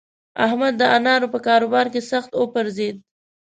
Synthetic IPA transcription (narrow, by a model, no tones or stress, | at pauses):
a̰hmad̪ːəanɑɾopəkɑɾobɑɾkesaxt̪opəɾzed̪̚